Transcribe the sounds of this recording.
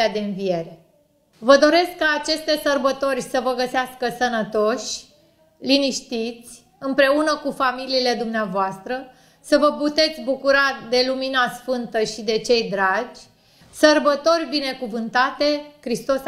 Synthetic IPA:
ad̪e̞ɨnvije̞ɾe | vəd̪o̞ɾe̞skːaːt͡ʃe̞st̪e̞sərbət̪o̞rʲsəvəɡəseaskəsənət̪o̞ʃʲ | liniʃt̪it̪sʲ | ɨmpɾe̞unəkufamiliːle̞d̪umneavoast̪ɾə | səvəput̪e̞t̪sʲbukuɾad̪e̞luminasfɨnt̪əʃid̪e̞t͡ʃe̞jd̪ɾad͡ʒʲ | sərbət̪o̞rʲbine̞kuvɨnt̪at̪e̞kɾist̪o̞s

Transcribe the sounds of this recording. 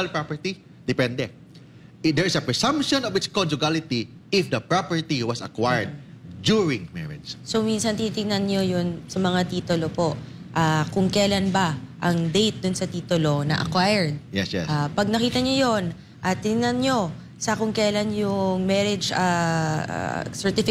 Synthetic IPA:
alpɹapɛɹt̪i | d̪̥ɪpɛnd̪ɛ | d̪ɛɹɪsɐpɹɛsɐ̃mpʃɔ̃nɔvɪtskɔnd͡ʒʊɡalɪt̪i | ɪfd̪ɐpɹapɛɹt̪iwɐsɐ̰kwajɹd̪̚d͡ʒuɹɪ̃ŋmɛ̰ɹɪ̰d͡ʒso̞minsɐnt̪init̪ɪŋnɐnɲo̞jʊnsɐmɐŋat̪iːt̪ʊlopo̞ʔʔaːkʊŋkɐjlanbɐʔɐŋd̪ejt̪̚d̪ʊnsɐt̪iːt̪ʊlo̞nɐʔɐ̰kwajɛɹd̪̚jɛsjɛ̰sʔapɐɡ̚nɐkiːt̪ɐɲojon | ʔat̪ɪŋɪŋnɐnɲo̞ | sɐkʊŋkɐjlanjʊŋmɛɾɪd͡ʒa̰ | sɛɹt̪ɪfɪ

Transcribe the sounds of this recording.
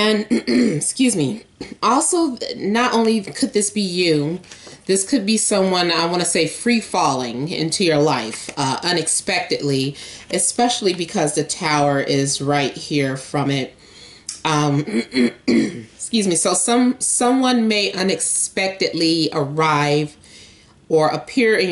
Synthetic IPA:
ɨ̃nskjʉzmi | ʔɔlˠsoʊnəɾʔõʊ̃nlikʰɨd̪̚ðɪsb̥ijʉðɪskʰɨd̚bisʌ̃mwʌ̃naɪwɑ̃ɾ̃nɨseɪfɹifɔlˠɪ̃ŋɪ̰̃ntʰʉjə˞laɪfʌʔʌ̃nɨkspɛk̚tɨdˡliʔɨspɛʃl̩ˠibɨkʰʌzðɨtʰaʊə˞ʔɪzɹaɪt̚hiɹfɹʌ̃mɪt̚ | ʌ̃m | skjʉzmisoʊsʌ̃msʌ̃mwʌ̃nmeɪʔʌ̃nɨkspɛk̚tɨdˡliə˞aɪv | ə˞ʔəpʰɪɹɪ̃

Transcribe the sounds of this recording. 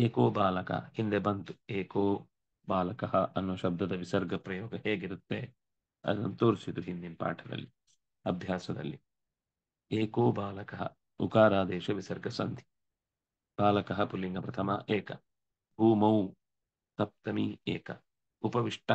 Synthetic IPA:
eːkoːbaːlɐkɐ̰hind̪ebɐnt̪ueːkoː | baːlɐkɐɦɐʔɐnːuʋɐʃɐb̚d̪ɐd̪ɐʋisɐɾɡɐpɾɐjoːɡɐɦeːɡiɾut̪ːe | ɐ̰d̪ɐ̰nt̪oːɾsit̪uɦind̪impa̰ːʈʰɐd̪ɐ̰lːi | ɐbʱjaːsɐd̪ɐ̰lːi | eːkoːbaːlɐkɐɦɐ̰ | ṵkaːɾaːd̪eːʃɐʋisɐɾɡɐsɐ̰nd̪i̥ | b̥aːlɐkɐɦɐpulːiŋɡɐpɾɐt̪ʰɐmɐ̰ʔeːkɐ | bʱuːmɐw | t̪ɐp̚t̪ɐmiḛːkɐ | upɐʋiʂʈɐ

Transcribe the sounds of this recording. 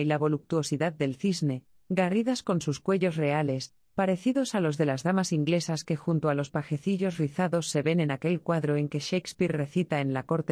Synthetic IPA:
ilaβo̞luk̚t̪uo̞siðaðːe̞lθizne̞ | ɡariðasko̞nsuskwe̞ʎo̞sre̞ale̞s | paɾe̞θiðo̞salo̞zðe̞lazðamasiŋɡle̞saske̞xunt̪oalo̞spaxe̞θiʎo̞zriθaðo̞sːe̞βe̞ne̞nake̞lkwaðɾoe̞ŋke̞ʃejkspiɾre̞θit̪aenlako̞ɾt̪

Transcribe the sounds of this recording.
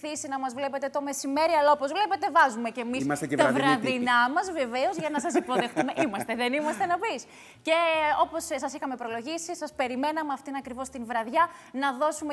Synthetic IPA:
θisinɐmɐzvle̞pe̞t̪e̞t̪o̞me̞sime̞ɾiɐlɐopo̞zvle̞pe̞t̪e̞vɐzume̞ce̞missɐst̪t̪ɐvɾɐðinnɐmɐzve̞ve̞o̞zʝɐnɐsɐsipo̞ðexθume̞ʔimɐst̪eðenimɐst̪e̞nɐpis | ce̞o̞po̞ssɐsixɐmepɾo̞lo̞ʝisisɐspe̞ɾime̞nɐmeɐft̪inɐkɾivo̞st̪invɾɐðʝɐnɐðo̞sume

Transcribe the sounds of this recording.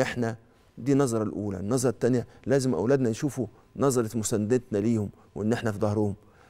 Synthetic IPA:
ʔeħnæ | d̪iːnɑzˤɾˤɑlʔuːlæ̰nːɑzˤɾˤɑt̪ːænjælæːzɪmʔæ̰wlæːd̪nænʃuːfu | nɑzˤɑɾˤɑt̪mʊsænːd̪et̪næliːhʊm | wʔenːʔeħnæfid̪ɑhɾohʊm

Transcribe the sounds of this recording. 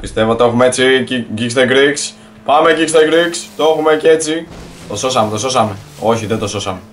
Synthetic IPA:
pist̪e̞voot̪oxumeet͡siiɟikst̪eɡɾiks | pɐme̞ɟikst̪eɡɾikst̪ooxumece̞t͡sit̪o̞so̞sɐme̞t̪o̞so̞sɐme̞o̞çiðend̪o̞so̞sɐme

